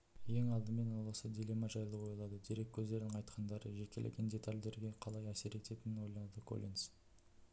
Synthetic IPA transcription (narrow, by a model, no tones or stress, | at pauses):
je̞ŋɑlˠd̪əme̞nolˠəsəd̪ʲilemaʒɑjlˠəwo̞jlˠɑd̪əd̪eɾe̞kʲʰːɵzd̪e̞ɾd̪ɪŋɑjt̪qʰɑnd̪ɑɾəʒe̞kʲe̞lʔḛkʲe̞nd̪ʲe̞t̪ʰalʲd̪e̞ɾɡʲe̞qʰɑlˠɑjæse̞ɾe̞t̪e̞t̪ɪnɪnwojlˠɑɑd̪əkʰo̰lʲḭns